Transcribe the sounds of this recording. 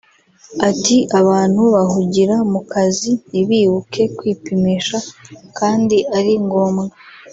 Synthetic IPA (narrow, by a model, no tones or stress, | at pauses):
atiaβaːn̥huβahuɟiɾamukaziniβiːβukʰe̞kwiːpimeʃakaːndiʔaɾiŋɡo̞ːmɡa